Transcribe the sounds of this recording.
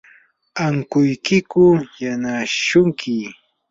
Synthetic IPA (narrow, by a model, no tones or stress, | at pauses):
aŋkʊjkɪkʊjanaʃʊŋkʰɪ